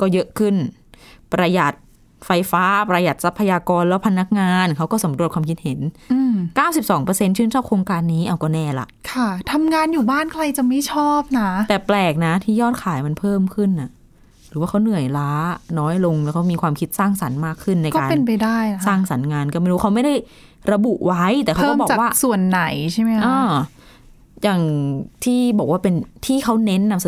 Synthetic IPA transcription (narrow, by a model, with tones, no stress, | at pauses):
kɔː˥˩jɤ˦˥ʔkʰɯ˥˩n | pɾa˧ja˨˩t̪̚ | fa˧jfaː˦˥pɾa˧ja˨˩t̪̚sa˦˥pʰːa˧jaː˧kɔː˧nlɛː˦˥wpʰa˧na˦˥k̚ŋaː˧nkʰa˦˥wkɔː˥˩sa˩˦mɾu˨˩ət̚kʰaː˧mkʰi˦˥t̪̚he˩˦nʔɯː˧mkaː˥˩wsi˨˩p̚sɔː˩˦ŋpɤ˧se˧nt͡ɕʰɯː˦˥nt͡ɕʰɔː˥˩p̚kʰɾoː˧ŋkaː˧nːiː˦˥ʔa˧wkɔː˥˩nɛː˧˩la̰˨˩ʔkʰa˥˩t̪ʰa˧mŋaː˧njuː˨˩baː˥˩nkʰla˧jt͡ɕa˨˩ma˥˩t͡ɕʰɔː˥˩p̚na˦˥t̪ɛː˨˩plɛː˨˩k̚na˦˥t̪ʰiː˥˩jɔː˥˩t̪̚kʰaː˩˦jma˧npʰɤː˥˩mkʰɯ˥˩nʔa˨˩ʔ | ɾɯː˩˦waː˥˩kʰwnɯ˨˩əjlaː˦˥nɔː˦˥jlo˧ŋlɛ˦˥wkʰa˦˥wmiː˧kʰwaː˧mkʰi˦˥t̪̚saː˥˩ŋsa˩˦nmaː˥˩kʰːɯ˥˩nːa˧jkɔ˥kaː˧pe˧np̬a˧jdaː˥˩jsaː˥˩ŋsa˩˦nŋaː˧nkɔː˥˩ma˥˩ɾuː˦˥kʰa˦˥wma˥˩jda˥˩j | ɾa˧bu˨˩ʔwa˦˥jt̪ɛː˨˩kʰaː˦kɔ˥˩bɔː˨˩a˨˩kwaː˥˩su˨˩ənːa˨˩˦jt͡ɕʰa˥˩jma˦˥ʔɔːa˧˩ | jaː˨˩ŋt̪ʰiː˥˩bɔː˨˩k̚waː˥˩pe˧nt̪ʰiː˥˩kʰa˦˥wne˦˥nːa˧ms